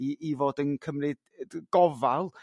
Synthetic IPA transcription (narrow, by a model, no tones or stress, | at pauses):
iʔivoːdənkʰəmrɨ | ɡ̥ɔvalˠ